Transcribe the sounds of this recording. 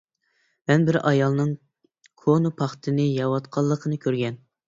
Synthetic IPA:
mɛnbɪɾɑjɑlˠnɨŋ | kʰonupʰɑχt̪ʰɨnɨjɑwɑt̪qʰɑlˠːəqʰənɨkʲʰøɾɡʲɛn

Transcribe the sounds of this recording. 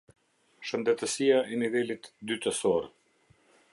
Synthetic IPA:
ʃənd̪ɛt̪əsijaʔɛnivɛlit̪d̪yt̪əsɔɾ

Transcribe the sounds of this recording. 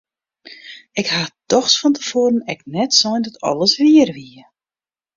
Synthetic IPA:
ɪkhatɔxsfɔntəfoːɾənɛknɛtsɔjndɔtʰɔ̰lˠəsʋiərʋiə

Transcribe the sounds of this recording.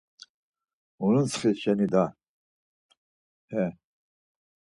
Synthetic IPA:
unənsχisʃɛnid̪a | hɛ

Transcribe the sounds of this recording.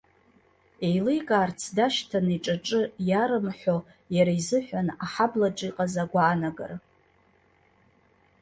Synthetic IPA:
e̞jlejkʼaːrt͡sʰdaʃtʰaniʈ͡ʂʼaʈ͡ʂʼɨjaɾɨmħʷᶣo | jaɾaizɨħʷᶣanaħablaʈ͡ʂʼiqʼazaɡʷaːnaɡa̰r

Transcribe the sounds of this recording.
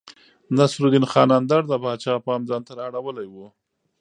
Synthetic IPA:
nasɾuɡɪnxɑnand̪aɾd̪əbɑːt͡ʃɑpɑmd͡zɑnt̪aɾaɽawəlajwu

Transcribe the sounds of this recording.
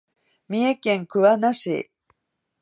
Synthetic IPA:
mʲiekẽ̞ŋkɯ̟βanaɕḭ

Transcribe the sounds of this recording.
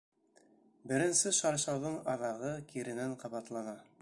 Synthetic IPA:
bɘ̆ɾɘ̆nsɘʃɑɾʃɑwðɤɴɑðɑʁɤkiɾɘ̆næɴqɑβɑt̪lˠɑnɑ

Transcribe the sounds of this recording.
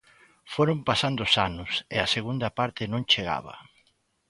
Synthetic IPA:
foɾompasand̪ʊsanʊsḛɐseɣund̪ɐpaɾt̪ɪnõŋt͡ʃeɣa̰βɐ̰

